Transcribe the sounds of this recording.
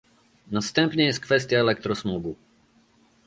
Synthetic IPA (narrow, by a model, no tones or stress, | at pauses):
nast̪ɛ̃mpɲɛjɛst̪̚kvɛs̬t̪ijaɛlɛk̚t̪ɾɔsmuɡu